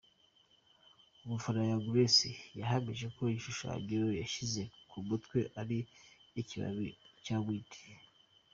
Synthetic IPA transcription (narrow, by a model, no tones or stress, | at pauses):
umufaɾajaɡuɾesijaɦamiʒe̞ko̞iʃuʃa̰ɟiɾojaʃize̞kʰumutkwe̞ʔaɾiːciβa̰βicaːmwiːtʰi̥